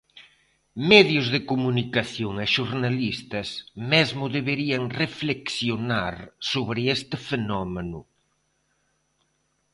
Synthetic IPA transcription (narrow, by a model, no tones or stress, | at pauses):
mɛðjʊzðɪkomunikaθjoŋeʃuɾnalist̪ɐsmɛzmʊðeβeɾiɐŋrefleksjonaɾsoβɾɪest̪ɪfenɔmenʊ